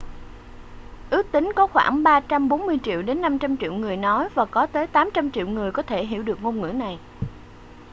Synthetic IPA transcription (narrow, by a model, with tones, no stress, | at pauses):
ʔɨ˦˥ək̚t̪ï˨˦ŋ̟kɔ˨˦xwa̰ː˧˩ŋɓaː˧t͡ɕa˧mɓo˨˦nmɨ˧əjt͡ɕḭ˧˨əwɗe˨˦nːa˧mt͡ɕa˧mt͡ɕḭ˧˨əwŋɨ˨˩əjnɔ˨˦jvaː˨˩kɔ˨˦t̪əː˨˦jt̪aː˨˦mt͡ɕa˧mt͡ɕḭ˧˨wŋɨ˨˩əjkɔ˨˦t̪ʰe˧˩ɦḭ˧˩wɗɨ˨˩ək̚ŋo˧mŋɨ̰˧˥na˨˩j